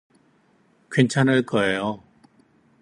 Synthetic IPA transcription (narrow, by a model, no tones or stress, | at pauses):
kwent͡ɕʰanɯɭk͈ʌejo